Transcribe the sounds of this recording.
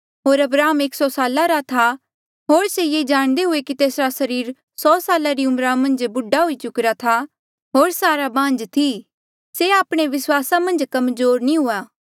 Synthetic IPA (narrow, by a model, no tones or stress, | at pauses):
ɦoːɾɐbɾaːɦəmeːksɔsaːlaɾat̪ʰa | ɦoːɾsejeːd͡ʒaːɽ̃d̪eɦʊekit̪eːsɾasɐɾiːɾ | sɔːsaːlaɾiʊmɾamɐ̃nd͡ʒbʊɖaɦʊit͡ʃʊkɾat̪ʰa | ɦoːɾsaːɾabãːnd͡ʒt̪ʰi | seaːpɽ̃eʋɪswaːsamɐ̃nd͡ʒkɐmzoːɾnĩɦʊaː